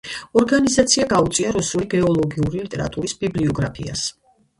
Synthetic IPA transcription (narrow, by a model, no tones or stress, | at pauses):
ɔɾɡanizat̪sʰiaɡaut̪sʼiaɾɔsuliɡɛɔlˠɔɡiuɾilit̪ʼɛɾa̰t̪ʼuɾisb̥ibliɔɡɾa̰pʰḭa̰s